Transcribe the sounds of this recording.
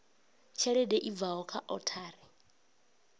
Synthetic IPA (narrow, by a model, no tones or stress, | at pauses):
t͡ʃʰɛɺɛdɛʔib̪vaɦɔkʰa̰ʔɔtʰaːɾɛ